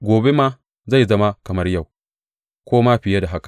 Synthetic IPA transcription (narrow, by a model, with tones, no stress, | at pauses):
ɡʷoː˨be˦maː˦ | za˦˨jzɐ˦ma˦kɐ˨mɐ˦rja˦˨w | kʷoː˦ma˦ɸɪ˨ja˦da˨ɦa˦kḁ˨